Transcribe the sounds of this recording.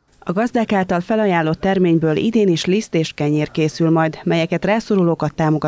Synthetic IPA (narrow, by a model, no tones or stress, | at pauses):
ɒɡɒzd̪aːkaːlt̪ɒlfɛlɒjaːlːot̪ːɛrmeːɲbøːlʔḭd̪eːniʃlist̪eːʃkɛɲeːrkeːsylmɒjd̪mɛjɛkɛt̪raːsoɾuloːkɒt̪ːaːmo̞ɡɒ